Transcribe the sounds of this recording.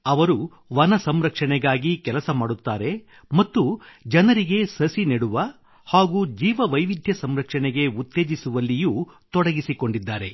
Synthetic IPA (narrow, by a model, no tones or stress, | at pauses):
ɐʋɐɾu | ʋɐnɐsɐmɾɐkʂɐɳɛɡaːɡikɛlɐsɐmaːɽut̪ːaːɾe̞ | mɐt̪ːud͡ʒɐnɐɾiɡe̞sɐsineɽuʋɐ | haːɡuːd͡ʒiːʋɐʋɐjʋid̪ʱjɐsɐmɾɐkʂɐɳɛɡe̞ut̪ːe̞ːd͡ʒisuʋɐlːijuːt̪ɔɽɐɡisiko̞ɳɖid̪ːaːɾe̞